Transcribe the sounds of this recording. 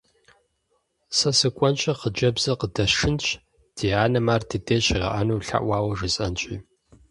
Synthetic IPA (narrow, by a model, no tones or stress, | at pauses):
sɐsɨkʷʼɔnt͡ʃʼɐχəd͡ʒɐbz̥ɐqədɐʃɪnt͡ʃʼʰ | d̥ʰiaːnɐmaːrtʰideːɕʁɐ̰ʔɐnuːɬa̰ʔwʷaːwɐʒɨsʼɐnt͡ʃʼḭː